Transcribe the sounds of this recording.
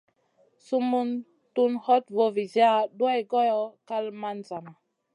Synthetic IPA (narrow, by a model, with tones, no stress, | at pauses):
su˦mu˦n | tu˦nhɔ˦tvo˨vi˨zi˦a˦ɗu˦a˦jɡo˦jɔ˦ka˦lma˦nza˨na˨